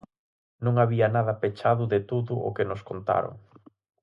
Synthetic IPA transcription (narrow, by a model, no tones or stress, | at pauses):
nõŋaβiɐnaðɐpet͡ʃaðʊðɪt̪uðʊʔo̰kenʊskont̪a̰ɾo̰ŋ